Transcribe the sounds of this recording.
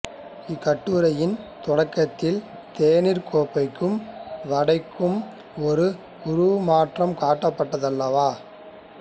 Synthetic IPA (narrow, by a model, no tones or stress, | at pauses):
ɪkːɐʈːɯːɾɐjɪnt̪ɔɽɐkːɐt̪ːɪl | t̪eːnɪɾkoːpːɐɪkːɯmʋɐɽɐɪkːɯm | ɔɾɯ | ʊɾɯʋmaːʈrɐmkaːʈːɐpːɐʈːɐðɐlːɐʋaː